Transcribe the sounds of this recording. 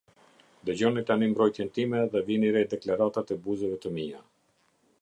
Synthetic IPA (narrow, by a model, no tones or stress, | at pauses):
d̪əd͡ʑɔnit̪animbɾɔjt̪jɛnt̪imɛðɛviniɾɛd̪ɛklaɾat̪at̪ɛbuzəvɛt̪əmia